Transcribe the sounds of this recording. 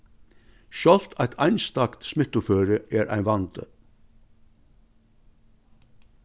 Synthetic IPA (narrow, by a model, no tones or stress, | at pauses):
ʃjɔl̥t̪ʰæɪt̪ʰæɪnst̪ɑkt̪smɪt̪ʊføːɾəʔeːɾʔæ̰ɪnʋɑnt̪ə̰